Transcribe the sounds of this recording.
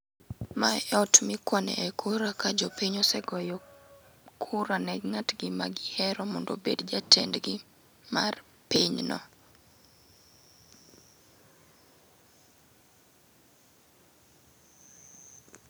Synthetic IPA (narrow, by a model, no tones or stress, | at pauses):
maɛɔtmɪkwanɛ̰ʔɛkʰuɾakad͡ʒɔpiɲɔsɛɡɔjɔ | kʰuɾanɛɡŋatɡɪma̰ɡɪhɛɾɔmɔndo̰bḛdd͡ʒatɛ̰ndɡɪ | ma̰r | piɲnɔ̰